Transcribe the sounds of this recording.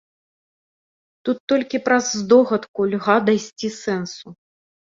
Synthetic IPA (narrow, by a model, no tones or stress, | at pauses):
t̪ut̪ːɔlʲkʲipɾɐzːd̪ɔɣɐt̪kulʲɣad̪ajsʲt͡sʲisɛnsu